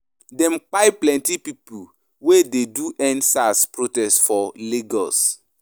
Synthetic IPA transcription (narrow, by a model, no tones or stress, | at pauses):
dɛ̃mk͡paɪplɛ̃ntipipu | wededuʔɛ̃nsaspɹotɛstfɔleɡɔs